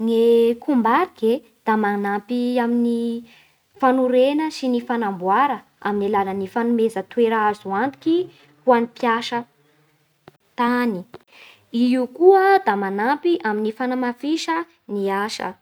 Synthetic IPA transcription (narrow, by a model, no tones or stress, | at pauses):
ŋekʰumbaɾiɡe | d̪̥amanampiamini | fanuɾenəsinifanambwaɾə | a̰minilalənifanumezət̪weɾaazuand̪i̥ki | huanipjaʃə | t̪ani | iukuəd̪amanapiʔaminifanamafiʃə | niaʃə̰